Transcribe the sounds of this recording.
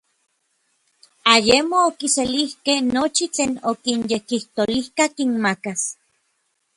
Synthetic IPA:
ajemoːkiselihkehnot͡ʃit͡ɬeːnokinjekiht̪olihkakinmakas

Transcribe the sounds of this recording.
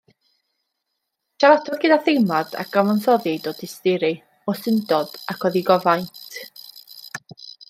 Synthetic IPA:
ʃʰaɾatʰɔrɡɪdaθejmad̥a̰ɡ̥ɔmɔnsɔðidodɪstɪɾi | ɔsɪndɔd̥akʰwɛðiɡɔvajntʰ

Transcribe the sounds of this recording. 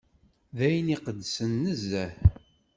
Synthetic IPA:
ðæjəniqəd̪ːsənːəzæθ

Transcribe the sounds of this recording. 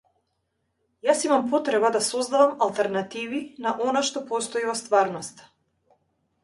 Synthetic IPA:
jasimampɔt̪ɾɛbad̪asɔzd̪avamalˠt̪ɛɾnat̪ivinaʔɔnaʃt̪ɔpɔst̪ɔivɔst̪vaɾnɔst̪ḁ

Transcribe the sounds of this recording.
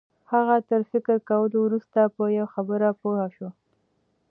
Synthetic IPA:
haɣat̪əɾfɪkəɾkawəlowɾust̪apəjawxabəɾapohaʃo

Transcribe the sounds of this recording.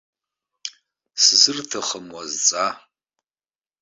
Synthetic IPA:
sɨzɨrtʰɐχəmwazt͡sʼa

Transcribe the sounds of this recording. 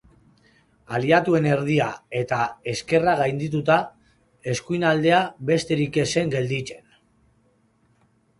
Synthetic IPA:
aliat̪ue̞ne̞ɾð̞iae̞t̪ae̞ske̞raɣajnd̪it̪ut̪a | e̞skujnald̪e̞aβe̞st̪e̞ɾike̞se̞ŋɡe̞ld̪it͡se̞n

